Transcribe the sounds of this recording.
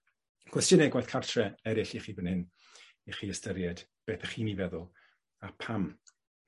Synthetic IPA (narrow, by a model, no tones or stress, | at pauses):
kʰwɛstjənɛɡwajθkʰartʰrɛɛɾɪɬiχiːbənhɪn | iχiːəstəɾjɛd̥b̥eːθəχiːnivɛðʊlˠ | apʰam